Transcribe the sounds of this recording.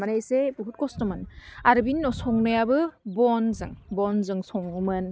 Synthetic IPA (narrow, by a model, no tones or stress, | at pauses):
manajsebuɦut̚kɔstɔmɯnaɾɯbinːɔsɔŋnɯjabɯbɔnzɯŋbɔnzɯŋsɔŋumɯn